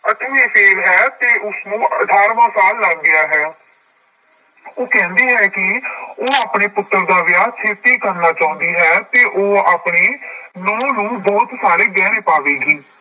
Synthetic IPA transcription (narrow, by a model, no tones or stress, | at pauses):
ət̪ːeːpʰeːɾɦɛːt̪eːʔʊsnũːʔəʈʰaːɾʋãːsaːlːaːɡːɪjaːɦɛː | oːkɛ̃ːnd̪eːɦɛːkɪoːaːpneːpʊt̪ːəɾd̪aːʋjaːt͡ʃʰeːt̪eːkəɾnaːt͡ʃaːʊ̃ːnd̪iːɦɛːt̪eːʔoːaːpɽeːnɔ̃ːnũːbɔːt̪saːɾeːɡɛːɾeːpaːʋeːɡiː